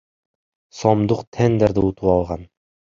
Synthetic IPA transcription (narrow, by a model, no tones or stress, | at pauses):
sɒmd̪uqt̪ʰænd̪ɘɾd̪ɘut̪uwɑlˠʁɑn